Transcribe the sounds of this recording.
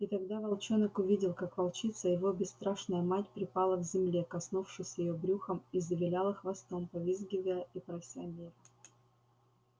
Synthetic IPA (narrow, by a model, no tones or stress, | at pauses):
it̪ɐɡd̪avɐlˠt͡ɕonəkʊvʲidʲɪlˠkakvɐlˠt͡ɕit̪səjɪvo̞bʲɪst̪ɾaʂnəjəmatʲpɾʲɪpalˠəvzʲɪmlʲekɐsnufʂɨsʲjɪjobɾʲuxəmizəvʲɪlʲalˠəxvɐst̪o̞mpɐvʲizɡʲɪvəjəipɾɐfʲsʲɪɐnʲeɾə